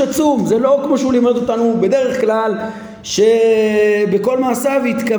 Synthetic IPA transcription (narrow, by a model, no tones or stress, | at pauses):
at͡sumzelo̞kmoʃeulimod̪o̞t̪anube̞d̪e̞ʁeχklal | ʃe̞ | beko̞lmaːsavit̪ka